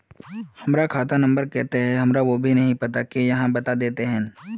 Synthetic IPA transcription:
hɐmɾakʰaːt̪anɐ̃mbəɾkɛɦt̪eɦɛ̃ɦɐmɾaʋobʱinɐɦĩpɐt̪akejɐɦãbɐt̪ad̪eːt̪eɦɛ̃ː

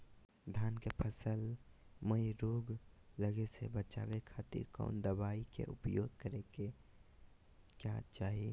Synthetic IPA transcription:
d̪ʱjaːnkepʰəsəlməiɾoːɡ | ləɡesḛbət͡ʃa̰ːʋekʰaːt̪ḭɾkɔ̰ːnd̪əbaːikḛʔʊpjoːɡ̚kəɾeke | kja̰ːt͡ʃaːɦi

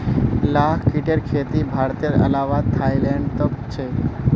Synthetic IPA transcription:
lakʰkiʈeɾkʰet̪ibʱaɾt̪eɾə̰lawat̪ʰajleɳɖt̪əbt͡ɕʰe

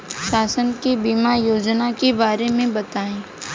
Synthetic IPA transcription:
ʃaːsənkibimajoːd͡ʒnakebaːɾemẽbɐt̪aːẽː

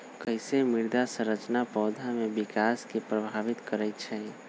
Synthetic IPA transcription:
kəɪsemiɾd̪asə̃ɾət͡ʃnapɔːd̪ʱamebikaskepɾəbʱaʋit̪kəɾɛt̪t͡ʃʰɛ

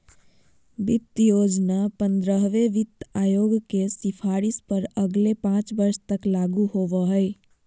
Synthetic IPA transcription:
bit̪ːjod͡ʒnapənd̪ɾəɦʋeʋit̪ajoɡkesipʰaɾispəɾəɡlepãt͡ʃbəɾst̪əklaɡuhoʋəɦəɪ

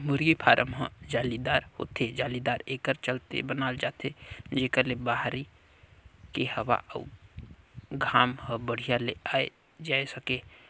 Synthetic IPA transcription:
mʊɾɡipʰaːɾʔəmɦə̃d͡ʒaːlid̪aːɾho̰ːt̪ed͡ʒaːlid̪aːɾeːkəɾt͡ʃəlt̪ḛbənaːld͡ʒaːt̪ed͡ʒeːkəɾlebaɦɾi | kehəwa̰ʔə̰ | ɡʱaːmhə̃bəɽ̤ijaleaːe | d͡ʒaːesəkeː

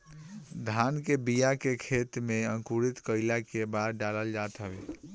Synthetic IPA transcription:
d̪ʱankebijakekʰet̪meə̃ŋkuɾit̪kəɪlakebaɾɖaləld͡ʒat̪ɦəbe

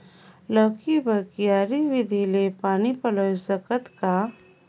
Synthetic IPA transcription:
ləːkibəkijaːɾiʋɪd̪ʱilepaːnipɐlosəkət̪ka

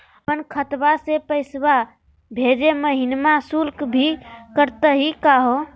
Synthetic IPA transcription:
əpənkʰət̪basepəɪsba | bʱed͡ʒeməɦinmãsulkbʱikəɾt̪əɦikaɦo

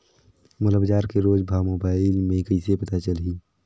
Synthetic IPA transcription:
mʊləbd͡ʒaːɾkeɾoːd͡ʒbʱaːmoːbaːɪlmẽkəɪsepət̪at͡ʃəlɦiː

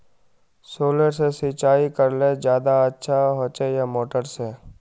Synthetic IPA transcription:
soːləɾsesit͡ʃaːikəɾled͡ʒjaːd̪aətːʃʰaɦoːt͡ʃejamoːʈəɾse

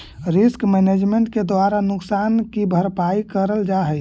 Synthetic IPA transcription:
ɾɪskmɛned͡ʒmeɳʈked̪waɾanʊksaːnkibʱəɾpaikəɾəld͡ʒaɦɛj

